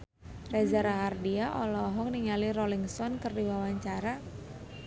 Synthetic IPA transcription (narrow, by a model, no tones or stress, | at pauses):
rezaɾaɦardiaʔɔlɔɦɔkniŋaliɾɔliŋsɔnkərdiwawaɲt͡ʃaɾa